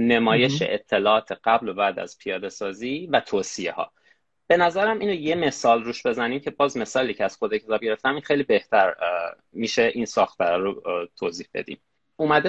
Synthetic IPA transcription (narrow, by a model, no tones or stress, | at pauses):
ne̞mɒːje̞ʃḛʔet̪ʰːe̞lɒːʔɒːt̪ʰeɢ̥æblobæːd̪æ̰z̥pʰijɒːd̪e̞sɒːziːvæt̪ʰoːsijehɒ̰ː | b̥e̞næzæɾæmʔiːnoje̞me̞sɒːlruːʃbe̞zæniːmcʰe̞bɒːzme̞sɒːliːcʰeæz̥xod̪ɒcʰe̞t̪ɒːb̚ɟe̞ɾeft̪æmiːnxejlibe̞ht̪ʰæɾ | miʃeʔinsɒːxt̪̚bæɾɒɾot̪ʰoːziːhb̥e̞̰d̪ḭːm | umæd̪e